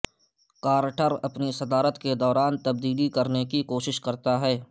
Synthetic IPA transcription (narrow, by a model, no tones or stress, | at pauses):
kaːɾʈəɾɐpnisɐd̪aːɾət̪ked̪ɔːɾaːnt̪ɐbd̪iːlikɐɾnekikoːʃɪʃkɐɾt̪aɦɛː